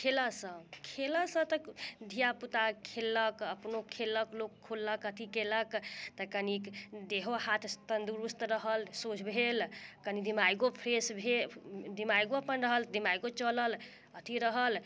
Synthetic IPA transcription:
kʰeləsə̃kʰeləsə̃t̪əd̪ʱijaput̪akʰelːəkəpnokʰelːəklokʰːolːəkət̪ʰikeləkt̪əkənikd̪eɦohat̪ʰt̪ənd̪uɾust̪ɾəɦəlsot͡ʃʰbʱelkənid̪imajɡopʰɾesbʱed̪imajɡoəpənɾəɦəld̪imajɡot͡ʃələl | ət̪ʰiɾəɦəl

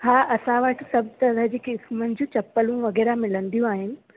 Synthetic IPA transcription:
haːʔɐsãʋəʈʰsɐb̚t̪ɐd̪ʱəd͡ʑiːkɪsmənɪd͡ʑũt͡ɕɐpːəlũʋɐɣɛːɾamɪlənd̪ijũaːɦɪnɪ̆

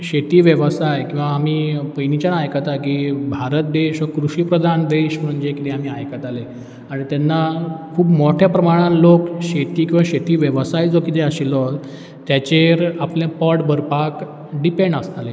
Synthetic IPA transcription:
ɕet̪iːʋjəʋəsajkĩw̃ʋaːmiːpəjnit͡ɕjanajkət̪ajkiːbʱaɾət̪̚d̪eɕʋakɾuɕiːpɾəd̪ʱand̪eɕməɾuɲd͡ʑekit̪eamiːajkət̪ale | aɽ̃it̪janːakʰuːpmoʈʰjapɾəmaɽ̃ãnlokɕet̪iːkĩw̃ʋaɕet̪iːʋjəʋsajd͡zokit̪eəɕilɔ | t̪ːjat͡ɕeɾaplãpəɽbʱəɾpak | ɖipeɳɖəst̪ale

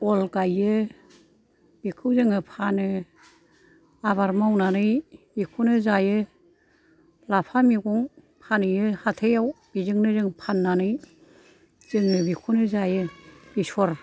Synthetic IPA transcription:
ɔlɡajɯ | bikʰɯwzɯŋɯpʰanɯ | aβaɾmawnanɯjbikʰunɯzajɯ | lapʰamiɡuŋ | pʰanɯjɯhatʰejawb̥izɯŋnɯzɯŋpʰanːanɯj | z̥ɯŋnɯbikʰunɯzajɯbisɔɾ

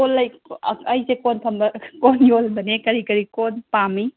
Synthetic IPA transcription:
kolːɐjɐjsekonpʰɐmbɐkonjolbɐnekɐɾikɐɾikonpami

